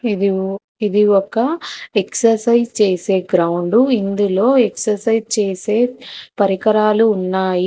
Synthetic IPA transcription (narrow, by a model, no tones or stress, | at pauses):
i | id̪iɔkːɐeksɐɾsɐjd͡ʒt͡ʃeːse̞ːɡɾɐwuɳɖuind̪ulo̞ːeksɐɾsɐjd͡ʒt͡ʃeːse̞ːpɐɾikɐɾaːluːnːaːji